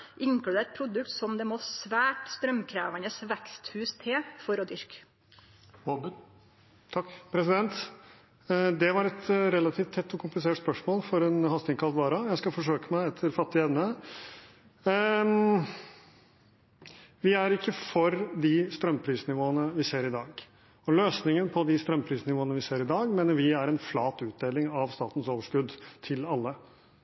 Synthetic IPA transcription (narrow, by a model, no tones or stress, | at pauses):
ʔɪŋklʉd̪eːt̪̚pʰɾʊd̪ʉkt̪sɔmd̪ɛmoːsʋæːʈst̪ɾœmkʰɾæ̰ːʋɑnəsʋɛkst̪hʉːst̪ʰeːfɔɾɔd̪ʏɾk | t̪ʰɑkpʰɾɛsɪd̪ɛnt̪ | d̪ɛʋɑɾɛt̪ɾɛlɑt̪ʰɪːft̪ʰɛt̪ːɔkʰʊmplɪseːʈspœʂmoːlfɔɾɛnhɑst̪ɪŋkʰɑlt̪ʋɑːɾɑjæɪskɑfɔʂøːkəmæɪɛt̪ʰːəɾfɑt̪ːɪɛʋnə | ʋɪæɾɪkːəfɔɾd̪ɪst̪ɾœmːpʰɾiːsnɪʋoːənəʋɪseːɾɪd̪ɑːɡ | ɔløːsnɪŋənpʰɔd̪ɪst̪ɾœmpʰɾiːsnɪʋoːənəʋɪseːɾɪd̪ɑːɡmeːnəɾʋɪæɾɛnflɑːt̪ʉːt̪̚d̪eːlɪŋɑʋst̪ɑ̰ːt̪n̩soːʋəʂkʉd̪t̪ʰɪlɑlːə